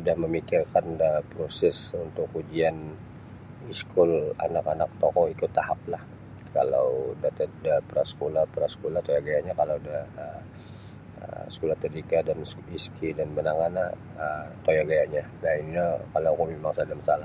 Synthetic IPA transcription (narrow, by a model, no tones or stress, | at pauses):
udahməmikɪrkandapɾosɛsunt̪ʊkːud͡ʒian | iskʰʊla̰nakanak̚t̪ɔkɔikʊt̪ːahap̚lah | ka̰lawdat̪at̪̚dapəɾasə̥kolapəɾasə̥kolaht̪ojaɡajaɲakalawdahə | ə̰sə̥kolaht̪ədikadansiskidanbənaŋana | ət̪ojaɡajaɲanainilakalakumemaŋsadamasalah